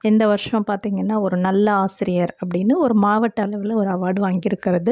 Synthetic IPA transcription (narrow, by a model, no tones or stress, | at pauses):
ɛnd̪ɐʋɐɾʂɐ̃paːɾt̪iːŋɡɐnːaːɔɾɯnɐlːɐaːsɪɾɪjɐɾɐp̬ːɐɽɪnːɯɔɾɯmaːʋɐʈːɐlɐʋɪlɔɾɯɐʋaːɽɯʋaːŋɡɪɾɯkːɪɾɐðɯ